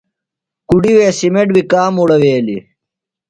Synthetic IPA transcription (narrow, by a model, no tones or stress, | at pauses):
kuɖiweːsimeʈwikaːmuɽɐweːli